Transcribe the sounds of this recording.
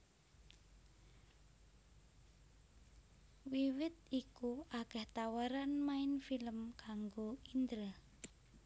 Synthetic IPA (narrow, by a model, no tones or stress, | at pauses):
wiwɪt̪̚ikuakɛht̪awaɾanmaɪnfiləmkaŋɡoind̪ɾə